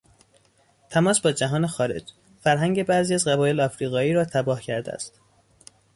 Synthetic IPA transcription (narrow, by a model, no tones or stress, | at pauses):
t̪ʰæmɒːsbɒːd͡ʒæɦɒːne̞xɒːɾe̞̰d͡ʒ | fæɾɦæŋɟe̞bæziːæzɢæbɒːje̞leɒfɾiːɣɒːiːɾɒːt̪ʰæbɒːhcʰæɾd̪ḛæ̰st̪